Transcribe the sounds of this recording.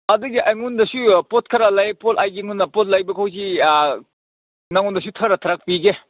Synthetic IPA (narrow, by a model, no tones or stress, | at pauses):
ɐduɡiʔɐjŋundɐsupot̚kʰɐɾalɐjpotajɡiŋunːɐpot̚lɐjbɐkʰawz̬i | nɐŋundɐs̬utʰɐɾɐtʰɐɾak̚piɡe